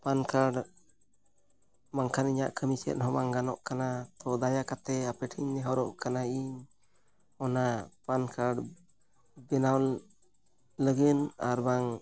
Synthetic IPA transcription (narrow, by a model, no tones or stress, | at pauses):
pankaɖ | maŋkʰaniɲa̰ʔkʰəmisɛ̰t̪̚ɦɔmaŋɡanɔʔkanat̪ɔd̪ajakat̪ɛapɛʈʰiɲnɛɦɔɾɔʔkanaiɲ | ɔnapankʰaɖ | bɛnawn | ləɡɛna̰ɾbaŋ